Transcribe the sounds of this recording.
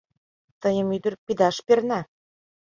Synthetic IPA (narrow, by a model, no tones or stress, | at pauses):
t̪ɤ̆jɤ̆myd̪ə̆rpid̪ɑʃpernæ